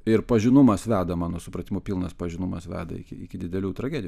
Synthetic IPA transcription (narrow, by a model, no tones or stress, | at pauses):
ɪɾpɐʒʲɪnʊmɐsʋʲæːd̪ɐmɑːnoːsʊpɾɐt̪ʲɪmʊpʲilˠnɐspɐʒʲɪnʊmɐsʋʲæ̰ːd̪ɐ̰ɪ̰kʲɪ̰ɪkʲɪd̪ʲɪd̪ʲɛlʲuːt̪ɾɐɡʲæːd̪ʲɪj